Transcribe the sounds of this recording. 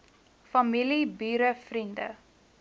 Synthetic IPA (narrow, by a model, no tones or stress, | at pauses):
fɐmilibyːɾəfrində̰